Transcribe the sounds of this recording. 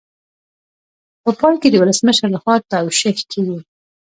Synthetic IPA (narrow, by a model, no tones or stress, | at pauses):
pəpɑjked̪əwʊləsməʃəɾləxwɑt̪awʃɪhkʰewi